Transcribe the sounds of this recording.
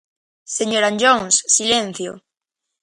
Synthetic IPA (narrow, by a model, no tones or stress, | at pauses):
seɲoɾaɲd͡ʒoŋssilẽn̟θjo̰